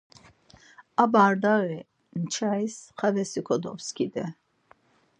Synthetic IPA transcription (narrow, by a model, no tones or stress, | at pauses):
abaɾd̪aɣɛ | nt͡ʃʰaisχavɛsikʰɔd̪ɔ̰fskʰid̪ɛ